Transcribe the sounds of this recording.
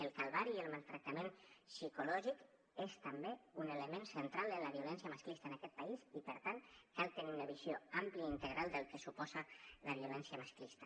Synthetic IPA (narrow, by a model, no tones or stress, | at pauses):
əlˠkalˠβaɾiəlˠmalˠt̪ɾək̚t̪əmẽnsikulɔʒik | est̪əmbeuneləmẽnsənt̪ɾalˠələβiulɛnsjəməsklist̪əenəkɛt̪̚pəizipəɾt̪ankalˠt̪əniunəβizjoampliəint̪əɣɾʔalˠd̪əlˠkəsupɔzəlʔəβiulɛnsiəmasklist̪ə̥